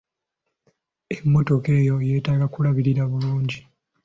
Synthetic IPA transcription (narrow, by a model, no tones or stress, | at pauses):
emːo̞to̞ke̞ːjoje̞ːtaːɡakulaβiɾiɾaβuluːɲɟi